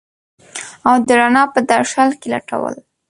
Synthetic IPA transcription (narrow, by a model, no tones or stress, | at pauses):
awd̪əɾanɑpəd̪aɾʃalkela̰ʈa̰wə̰l